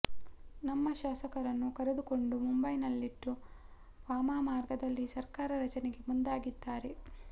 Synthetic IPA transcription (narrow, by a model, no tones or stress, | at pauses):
nɐmːɐʃaːsɐkɐɾɐnːukɐɾed̪uko̞ɳɖumumbɐjnɐlːiʈːu | ʋaːmaːmaːɾɡɐd̪ɐlːisɐɾkaːɾɐɾɐt͡ʃɐneɡe̞mund̪aːɡid̪ːaːɾe̞